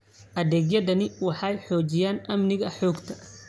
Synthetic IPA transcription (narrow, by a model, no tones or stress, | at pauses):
ʔɐðɛːɡjɐðɐnɪwɑħɑjħɔːt͡ʃɪjaːnʔɐmnɪɣɐħɔːɡt̪ʰɐ̥